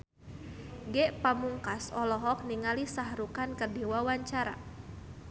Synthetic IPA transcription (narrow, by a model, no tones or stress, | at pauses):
ɡɛʔpamuŋkasɔlɔɦɔk̚niŋalisaɦɾukankərdiwawaɲt͡ʃaɾa̰